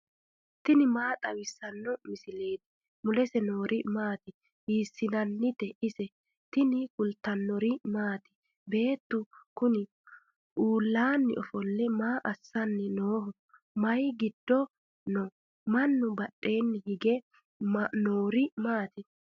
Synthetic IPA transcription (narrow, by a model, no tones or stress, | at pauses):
t̪ɪnɪmaːt̪ʼɐwɪsːɐnːɔmɪsɪle̞ːt̪ɪ̥ | mʊlɛsɛno̞ːɾʔɪmaːt̪ɪ | hiːsːɪnɐnːɪt̪ɛʔɪsɛ | t̪ɪnɪkʊlt̪ːɐnːɔɾɪmaːt̪ɪ̥ | be̞ːt̪ːʊkʊnɪ | ʔuːlːaːnːɪʔɔfɔlːɛmaːʔɐsːɐnːɪnoːhɔ | mɐjɡɪd̪ːɔ | nɔ | mɐnːʊbɐɗːe̞ːnːɪhɪɡɛ | noːɾɪmaːt̪ɪ